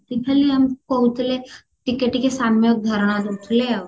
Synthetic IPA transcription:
t̪ipʰɛliəmkoʊt̪le | ʈɪkeʈikesaːnmeok̚d̪ʱəɾɽ̃ad̪tle

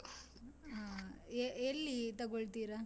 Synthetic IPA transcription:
aeelːit̪ɐɡoɭt̪iːɾɐ

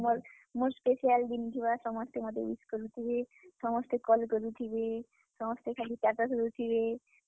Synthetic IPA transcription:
moɾ | moɾspeʃialɖ̪ind͡ʒ̪ʰʱibaʃɔmɔst̪emɔd̪ʱḛiskoɾut̪ʰibeʃɔmɔst̪ekɔlkoɾut̪ʰibe | ʃɔmɔst̪ekʰalipat̪asoɾut̪ʰibe

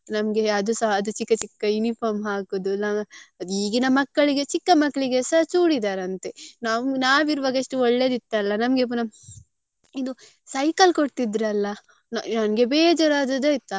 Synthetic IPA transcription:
nɐmɡe̞ɐd̪usɐɐd̪ut͡ʃikːɐt͡ʃikːɐjunipʰaːɾmɦaːkod̪unɐiːɡinɐmɐkːɐɭiɡe̞t͡ʃikːɐmɐkːɐɭiɡesɐt͡ʃuːɽid̪aːɾɐnt̪enaːʋnaːʋiɾuʋaːɡɐiʂʈuɔɭːe̞ːd̪it̪ːɐlːɐnɐmɡepːunɐ | id̪u | sɐjkɐlkoɽt̪id̪ɾɐlːɐ | nnɐnɡe̞beːd͡ʒɐɾaːd̪ɐd̪eit̪ːa

